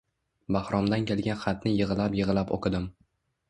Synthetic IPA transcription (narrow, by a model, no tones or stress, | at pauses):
bahɾɒmd̪ankʲʰelˠɡʲanχɑt̪nɪjɨʁɨlapjɨʁɨlapo̰kʰɪd̪ɪm